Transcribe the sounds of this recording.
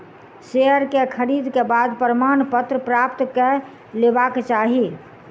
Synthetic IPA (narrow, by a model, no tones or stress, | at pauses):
seəɾkekʰəɾid̪kebaːd̪pəɾəmaːnpət̪ɾəpɾapt̪ke | lebakt͡ʃaːɦi